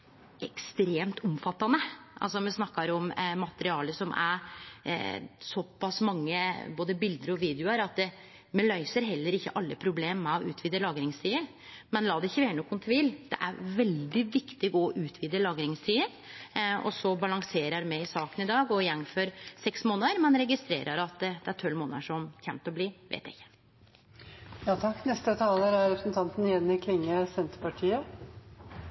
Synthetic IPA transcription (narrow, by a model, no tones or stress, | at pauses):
ʔɛkst̪ɾeːmt̪ʰɔmfɑt̪ːɑnəʔɑ̰lsɔmɛsnɑkːɑɾɔmmɑt̪əɾɪɑːləsɔmæ̰ɾ | sɔpːɑsmɑŋːəboːd̪əbɪld̪əɾɔʋiːd̪jʊəɾɑt̪ | mɛlœʏsəɾɦɛlːəɾɪçːə̰ʔɑlːəpʰɾʊbleːmːɛɔʔʉ̰ːt̪ʰʋiːd̪əlɑːɡɾɪŋst̪ʰiːəɾ | mɛnlɑːd̪ɛɪçːəʋæːɾɳɔkːʊnt̪ʰʋiːld̪̥ɛ̰ʔæ̰ɾʋɛld̪ɪʋɪkt̪ɪɡɔʔʉːt̪ʰʋiːd̪əlɑːɡɾɪŋst̪ʰiːəɾ | ɔ̰sɔbɑlɑŋseːɾəɾmɛɪɪsɑːkənɪd̪ɑːɡɔjɛŋːfɔɾsɛksmoːnəəɾmɛnɾɛɡɪst̪ɾḛːɾʔəɾɑt̪̚d̪d̪̥ɛæɾʈ̪ʰœlmoːnə̰ʂɔmçɛ̰mt̪ɔbliːʋḛːt̪æ̰ɪçːə̥ | jɑːt̪ʰɑkːnɛst̪ət̪ʰɑːləɾæɾɾɛpɾəsn̩t̪ʰɑnt̪njɛnːɪkʰlɪŋːəsɛnt̪əɾpɑʈʰiːə